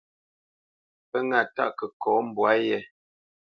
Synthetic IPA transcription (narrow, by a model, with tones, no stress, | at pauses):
pə˦ŋa˨ta̰˦˨ʔkə˨kɔː˨˦m̩˦˨bwa˦jɛ˦˨